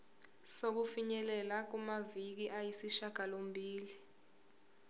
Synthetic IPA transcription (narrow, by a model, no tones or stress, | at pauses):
sok̬ufiɲɛlɛlak̬umavik̬iʔajisiʃaɡ̥ʱalombʱiːli